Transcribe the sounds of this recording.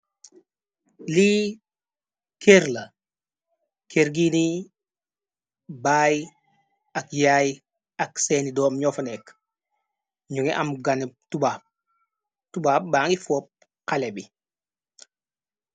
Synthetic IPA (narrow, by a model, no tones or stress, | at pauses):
li | keɾlɐ | kʰeɾɡini | baːj | ɐkjaːj | ɐkseːnidɔːmɲɔfɐnɛk | ɲuŋiʔamɡanip̚tubaːp̚ | tubaːp̚baːŋɡifɔp̚ | kalebi